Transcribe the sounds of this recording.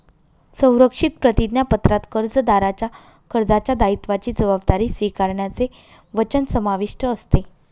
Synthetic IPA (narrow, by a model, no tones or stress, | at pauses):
sə̃w̃ɾəkʂit̪̚pɾət̪id̪njapət̪ɾat̪kəɾd͡zəd̪aɾat͡ɕja | kəɾd͡zat͡ɕjad̪ait̪ʋat͡ɕiːd͡zəʋab̚d̪aɾiːsʋikaɾɳjat͡se | ʋət͡ɕənsəmaʋiʂʈəːst̪e